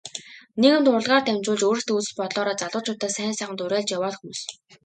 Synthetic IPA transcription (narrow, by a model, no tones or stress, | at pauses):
neɣɘ̆nt̪ʊr̆ɮʁaːrt̪ʰæmt͡ɕʊːɮt͡ɕoːɾɘ̆xt̪ut͡sɘ̥̆ɮpɔt̪ɮɔːɾaːt͡saɮʊːt͡ɕʰʊːt̪æːsæːnsaːʁə̆nt̪ʊɾæːɮt͡ɕjawaːt̪xumuːs